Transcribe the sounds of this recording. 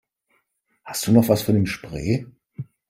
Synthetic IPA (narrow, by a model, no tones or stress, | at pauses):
hast̚d̥uːnɔχv̥asfɔɐnemʃpʁ̥eː